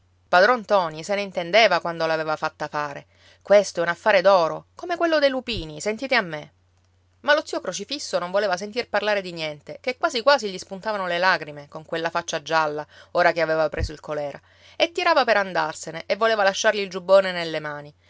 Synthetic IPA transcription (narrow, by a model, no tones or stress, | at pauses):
pad̪ɾɔnt̪ɔːniseneint̪end̪eːvakwand̪olaveːvafat̪ːafaːɾe | kwest̪oɛunafːaːɾed̪ɔːɾokomekwelːod̪ejlupiːnisent̪iːt̪eamːe | malot̪siokɾot͡ʃifisːonõɱvoleːvasent̪̬irpaɾrlaːɾed̪injɛnt̪ekekːwaːszikwaːziʎispunt̪avanolelaɡɾimekoŋkwelːafat͡ʃːad͡ʒalːaoːɾakeaveːvapɾʔeːsoilkolɛːɾa | et̪ːiɾaːvapeɾand̪arseneʔevːoleːvalaʃːarʎiːld͡ʒubːoːnenelːemaːni